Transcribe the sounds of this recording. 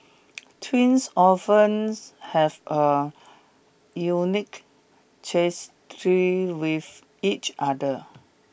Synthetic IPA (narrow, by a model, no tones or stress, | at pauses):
tʰwĩnsɔfə̃nshɛvə | junik | t͡ʃestʰɹiwif | it͡ʃʔadə